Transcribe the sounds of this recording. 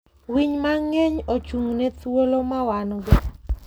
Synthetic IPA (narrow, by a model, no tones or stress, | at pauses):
wiɲmaŋɛɲot͡ʃuŋnɛtwolomawanɔɡɪ